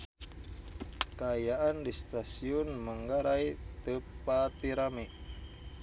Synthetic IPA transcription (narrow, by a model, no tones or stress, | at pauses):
kaːjaʔandist̪asiɔnmaŋɡaɾait̪əpat̪iɾamiʔ